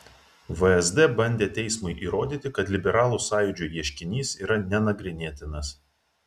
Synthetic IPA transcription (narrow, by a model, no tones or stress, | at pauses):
ʋəɛzd̪ɛbɐnʲd̪ʲeːt̪ʲɛɪsmʊɪʔiːɾoːd̪ʲiːt̪ʲɪkɐt̪lʲɪbʲɛɾɑːlˠuːsɑːjʊd͡ʒʲuːjiɛʃʲkʲɪnʲiːsiːɾɐnʲɛnɐɡɾʲɪnʲiɛt̪ʲɪnɐs